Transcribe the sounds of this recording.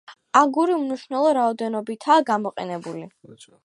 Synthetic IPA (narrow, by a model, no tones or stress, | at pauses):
aɡuɾiumniʃnɛlˠɔɾaɔd̪ɛnɔbit̪ʰaːɡamɔqʼɛ̰nɛbuli